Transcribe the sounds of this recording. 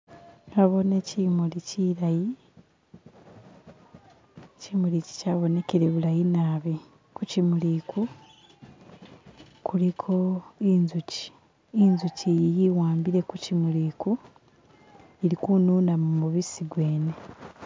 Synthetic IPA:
aβo̞necimuliciɾaji | cimulici̥caβo̞ne̞keɾe̞βulajinaːβi | kucimulikʰu | kʰulikʰo̞inzuci̥ | inzucijijiwaːmbiɾe̞kucimuliːku | iɾikunuːnamumuβisiɡwe̞ːne

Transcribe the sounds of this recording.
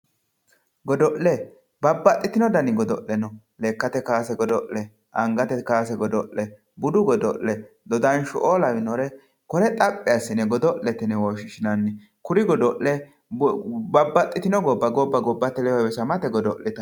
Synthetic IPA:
ɡɔd̪ɔʔlɛ | bɐbːɐt̪ʼːɪt̪ɪnɔd̪ɐnɪɡɔd̪ɔʔːɛnɔ | leːkːɐt̪ɛkaːsɛɡɔd̪ɔʔɛ | ʔɐŋɡɐt̪ɛkaːsɛɡɔd̪ɔʔːɛ | bʊd̪ʊɡɔd̪ɔʔːɛ | d̪ɔd̪ɐnʃʊʔoːlɐwɪnɔɾɛ | kɔɾɛt̪ʼɐpʼːɪɐsːɪnɛɡɔd̪ɔʔːɛt̪ɛnɛwɔːʃɪʃɪnɐnːɪ | kʊɾɪɡɔd̪ɔʔɛ | bɐbːɐt̪ʼːɪt̪ɪnɔɡɔbːɐɡɔbːɐɡɔbːɐt̪ːɛlɛwɐwɛsɐmɐt̪ɛɡɔd̪ɔʔlɪt̪ɐ

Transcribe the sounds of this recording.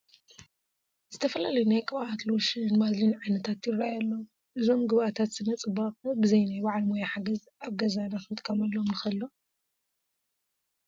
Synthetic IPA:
z̥ɨt̪ʰɐfɐlalɐjunajkʼɨβaʔat̪loʃɨnmazlinʕajnɐt̪ʰat̪jɪrːajalːo | ʔɨzo̞mɡɨβʔat̪ʰat̪z̥ɨnɐt͡sʼɨbakbɨzɐjnajbaʕlmojaħaɡɐzʔaβɡɐzanaxɨmɨt̪ʼkʰʼɐmɐlːomnɨxɐlːo

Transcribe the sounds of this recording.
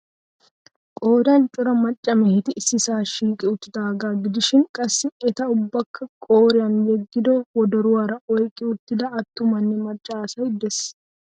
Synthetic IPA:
kʼoːd̪ɐnt͡ʃʼʊɾɐmɐt͡ʃʼːɐmeɪt̪ɪʔːsɪsaːʃiːkʼɪʊt̪ːɪd̪aːɡaːɡɪd̪ɪʃɪŋkʼɐsːɪɛt̪ɐʊbːɐkːɐkʼoːɾɪɐnjɛɡːɪd̪owɔd̪ɐɾʊɐɾɐʔɔjkʼɪʊt̪ːɪd̪ɐɐt̪ːʊmɐnːɪmɐt͡ʃʼːaːsɐɪd̪ːɛs

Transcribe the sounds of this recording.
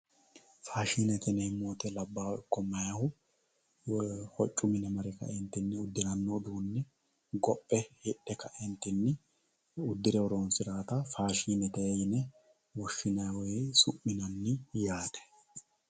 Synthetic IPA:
faːʃiːnɛt̪ɛnɛjmoːt̪ɛlɐbːaːwɔɪkːɔmɐjɐhʊ | hɔt͡ʃʼːʊmɪnɛmɐɾɛkɐ̰ʔɛnt̪ːɪnːɪʊd̪ːɪnɐnːod̪uːnːɛ | ɡɔpʼːɛhɪɗːɛkɐʔɛnt̪ɪnːɪ | ʊd̪ːɪɾɛwɔɾoːnsɪɾaːt̪ɐfaːʃiːnɛt̪ɛɛjnɛ | wɔʃːɪnɐwɔjsʊʔːɪnɐnːɪjaːd̪ɛ̥

